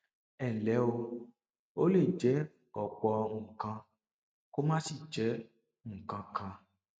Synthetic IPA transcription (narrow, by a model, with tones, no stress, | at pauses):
ɛ˨lɛ˨˦wo˦ | wo˦le˦˨d͡ʒɛ˦ | ɡɔ˨k͡pɔ˦ŋũ˨kã˦ | ko˦mã˦si˨d͡ʒɛ˦ | ŋũ˨kã˦kʰã˦